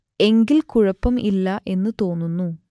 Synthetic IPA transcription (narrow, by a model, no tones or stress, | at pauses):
e̞ŋɡilkuɻɐpːɐmʔilːɐʔe̞nːɨt̪o̞ːnːunːu